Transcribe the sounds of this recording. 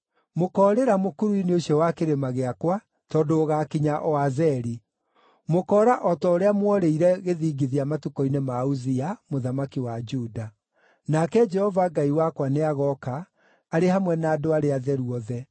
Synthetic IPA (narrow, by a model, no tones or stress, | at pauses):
mokɔːɾeɾamokuɾuineoɕjɔwakeɾemaɣeakwa | tɔdoːɣakiɲaʔɔazɛɾi | mokɔːɾaʔɔtɔoɾeamwɔɾeiɾɛɣeðiːɡiðiamatukɔinemauziamoðamakiwad͡ʒuda | nakɛd͡ʒɛhɔvaɡaiwakwaneaɣɔkaː | ɾehamwɛnaːdoaɾeaðɛɾuɔðɛ